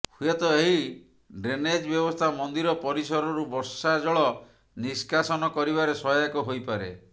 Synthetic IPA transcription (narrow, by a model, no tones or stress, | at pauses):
hujet̪ɔeɦi | ɖɾened͡ʒbjɔbɔst̪ʰamɔnd̪iɾɔpɔɾisɔɾɔɾubɔɾsad͡ʒɔɭɔ | niskasɔnɔkɔɾiβaɾesɔakɔɦojpaɾḛ